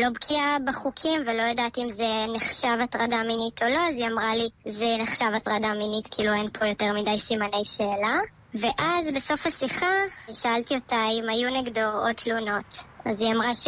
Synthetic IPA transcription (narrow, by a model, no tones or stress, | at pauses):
lo̞bkʰiabeχukʰimvelo̞jadatiimze̞neχʃavatʁadaːminitʰo̞loaziamʁalizeneχʃavatʁadaːminitkʰiiːluejnpʰo̞jo̞teʁmidajsimane̞jʃeːla | ve̞ʔazbeso̞fasiχaʃaaltiotajmajuneɡdoʁod̚t̪ʰluno̞taziamʁaʃ